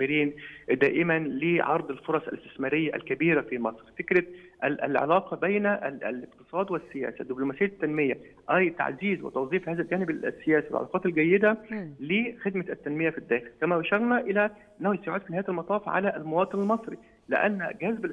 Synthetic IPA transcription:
ɪɾiːnd̪æ̰ːʔɪmænleʕɑɾˤd̪ˤelfoɾˤɑsˤæ̰lest̪ɪsmæːɾɪjːæʔæ̰lkæbiːɾæfiːmɑsˤɾfekɾæʔælʕḛlɑːqɑbæjnʔæ̰lɪqt̪ɨ̥sˤɑːd̪wɪsːɪjæ̰ːsæd̪ːɪblomæsɪjːæt̪ːænmɪjæ | ʔæjt̪a̰ʕziːzwɪ̰t̪ɑwzˤiːfhæːzælɡæːnɪbæsːejæːsiwḛlʕɑ̰lɑ̰ːqɑːt̪ælɡæjːed̪ælexed̪mæʔæt̪ːænmɪjæfid̪ːæːxɪlkæmæbæʃɑɾˤnæʔɪlæʔʔɪnːæhujsjʕuːd̪finhajæt̪ælmɑt̪ˤɑːfʕa̰læʔlmɑwɑːt̪ˤɨnɪlmɑsˤɾi | lɪ̰ʔæ̰nːɡæzbæ

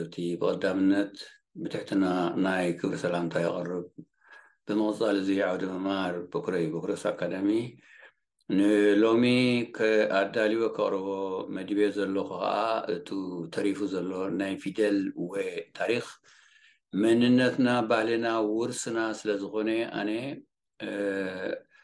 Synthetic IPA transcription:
ɨβt̪ʰibɨkʼɐd̪ːamɨnːɐt̪ | bɨt̪ʰaħt̪ʰinanajkʰɨβɾisɐlamt̪ʰajɪχʼɨrːɨb | b̥ɨmɨχʼt͡sʼalɨziʕawd̪ɐmɐmhaɾbokɾɐjubokɾosa̰kʰːad̪ɐmi | nɨlo̞mikʰɨad̪aliwokʰɐχʼɾɨβomɐd̪βezɐlːo̞kɨxɐ̰ʔaʔɨt̪ʰit̪ʰɐɾifuzɐlːo̞najfid̪elwɔjt̪ʰaɾix | mɐnɨnːɐt̪nabahlinawʊɾsɨnasɨlɐzɨxo̞neʔa̰ne

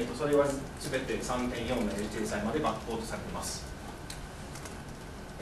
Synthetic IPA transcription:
t̪ːo̞so̞ɾe̞βasɨbe̞t̪e̞sãŋt̪ẽ̞ɰ̃joːneɾt͡ɕɨːsaimad̪e̞bakpːo̞ːt̪o̞saɾe̞t̪emasɨ̥

